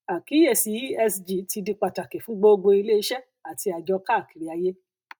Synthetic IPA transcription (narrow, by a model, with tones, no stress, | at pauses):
a˨ki˨˦e˦˨si˨˦ɛ˧sd͡ʒi˨ti˧di˧k͡pa˧ta˨ke˨fũ˦ɡ͡bo˦o˧ɡ͡bo˧i˧le˦i˦ʃɛ˦ | a˨ti˧a˨d͡ʒɔ˧ka˦˨ki˨ɾi˨a˧je˦